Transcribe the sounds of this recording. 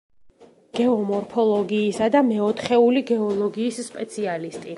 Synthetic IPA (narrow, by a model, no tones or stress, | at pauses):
ɡ̥ɛɔmɔɾpʰɔlˠɔɡiːsad̪amɛɔt̪ʰχɛuliɡɛɔlˠɔɡiːsːpʼɛt̪sʰialist̪ʼi